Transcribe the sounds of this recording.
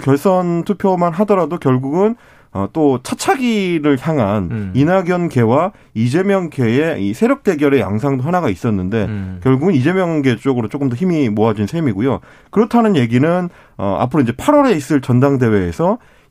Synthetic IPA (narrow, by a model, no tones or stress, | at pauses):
kjʌɭs͈ʌntʰupʰjomanɦadʌɾadokjʌɭɡuɡɯn | ʌt͈ot͡ɕʰat͡ɕʰaɡiɾɯɭçjaŋɦaninaɡjʌnke̞wa | id͡ʑe̞mjʌŋɡe̞e̞isʰe̞ɾjʌk̚t͈e̞ɡjʌɾe̞ja̰ŋs̬ʰaŋdoɦanaɡais͈ʌnːɯnde̞kjʌɭɡuɡɯnid͡ʑe̞mjʌŋŋɡe̞t͡ɕ͈oɡɯɾot͡ɕ͈ok͈ɯmd͈ʌçimimoad͡ʑinsʰemiɡojo | kɯɾʌtʰanɯnje̞ɡinɯn | ʌ̰a̰pʰɯɾoiɲd͡ʑe̞pʰaɾʌɾe̞is͈ɯɭt͡ɕʌndaŋde̞we̞ːsʰʌ